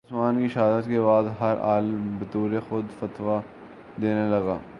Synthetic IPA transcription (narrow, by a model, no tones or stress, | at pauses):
smaːnkiʃaːd̪ət̪kebaːd̪ɦɐɾa̰ːlbɐt̪uːɾexʊd̪fɐt̪wa | d̪eːnelɐɡaː